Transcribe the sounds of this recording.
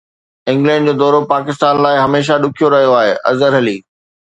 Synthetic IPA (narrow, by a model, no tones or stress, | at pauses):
ɪ̃ŋɡlɛ̃ːɳɖd͡ʑoːd̪ɔːɾopaːkɪst̪aːnlaːɪɦɐmeːʃ̬aɗʊkʰijoɾɐɦijoaːɦeːʔɐ̰zəɾɦɐliː